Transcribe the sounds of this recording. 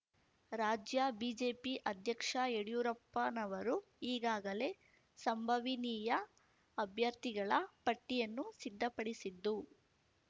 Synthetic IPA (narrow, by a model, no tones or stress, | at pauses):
ɾaːd͡ʒjɐbiːd͡ʒe̞ːpiʔɐd̪ʱjɐkʂɐeɽijuɾɐpːɐnɐʋɐɾu | iːɡaːɡɐle̞ | sɐmbʱɐʋiniːjɐː | bʱjɐɾt̪iɡɐɭɐpɐʈːijɐnːusid̪ʱːɐpɐɽisid̪ːu